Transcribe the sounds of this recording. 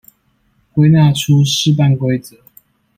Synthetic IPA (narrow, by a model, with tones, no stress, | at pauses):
kwe˥ɪna˥˨ʈ͡ʂʰu˦ʂɻ̩˥˧˨p̬a˥˨nkwe˥ɪt͡sə˨˩˦